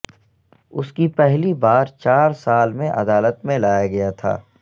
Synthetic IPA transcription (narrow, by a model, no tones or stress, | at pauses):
ʊskipɛɦlibaːɾt͡ʃaːɾsaːlmẽʔɐ̰d̪aːlət̪mẽlaːjaɡɐjat̪ʰa̰ː